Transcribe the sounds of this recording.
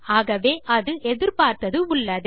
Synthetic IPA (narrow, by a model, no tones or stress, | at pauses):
aːɣɐʋeːʔɐðɯʔɛðɪɾpaːɾt̪ɐðɯʊɭːɐðɯ